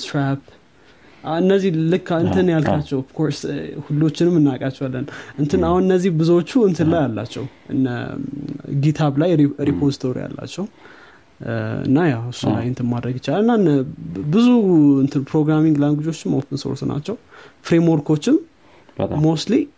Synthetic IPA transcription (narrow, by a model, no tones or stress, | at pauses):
t̪ɾap | ɨnːəzːihlɨkːɨnt̪ʰɨnjalkʰat͡ʃːɛwov̥kʰoɾshulːo̞t͡ʃːɪnɨmːɨnːakʼat͡ʃːɛwalːənʔɨnt̪ʰɨnahunɨnːəzːihbɨzwot͡ʃːuɨnt̪ʰɨnlajalːa̰t͡ʃːɛ̰wʔɨnːə̰ | ɡit̪ʰaβlajɾipʰo̞zit̪ʰo̞ɾḭja̰lːa̰t͡ʃːɛhu | ɨ̰nːajawɨsːula̰jɨnt̪ʰɨnmad̪ɾəɡjɪt͡ʃːalɨnːaɨnbɨzuɨnt̪ʰɨnpʰɾo̞ɡɾamiŋɡlaŋɡud͡ʒo̞t͡ʃːɪmolpʰənso̞̰ɾsna̰t͡ʃːɛwfɾemwo̞ɾkʰo̞t͡ʃːɪm | mo̞st̪li